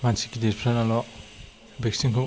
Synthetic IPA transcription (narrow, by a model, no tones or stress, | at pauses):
mansikideɾpʰɾanalɔ | bek̚siŋkʰu